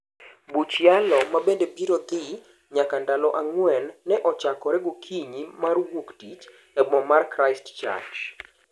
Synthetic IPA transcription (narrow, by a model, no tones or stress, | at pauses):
but͡ʃjalɔmabendebiɾot̪ɪ | ɲakandalɔʔaŋwɛnːɛʔɔt͡ʃakɔɾɛɡokʰiɲimarwoktit͡ʃ | ɛbɔmarkɾaɪstt͡ʃa̰rd͡ʒ